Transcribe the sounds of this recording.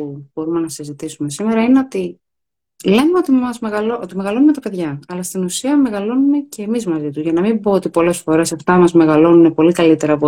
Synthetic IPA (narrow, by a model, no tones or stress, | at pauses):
ub̥o̞ɾume̞nɐsizit̪isume̞sime̞ɾɐineot̪i | le̞numeot̪iɐzmeɣɐloot̪imeɣɐlo̞nume̞t̪ɐpe̞ðʝɐɐlɐst̪inusiɐme̞ɣɐlo̞nume̞ce̞ːmizmɐzit̪uzʝɐnɐmimbo̞ot̪ipo̞le̞sfo̞ɾe̞sɐft̪ɐmɐzme̞ɣɐlo̞nune̞po̞likɐlit̪e̞ɾɐpo